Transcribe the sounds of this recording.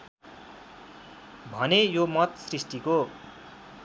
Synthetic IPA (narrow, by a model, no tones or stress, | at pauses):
bʱʌnejomʌt̪srisʈiko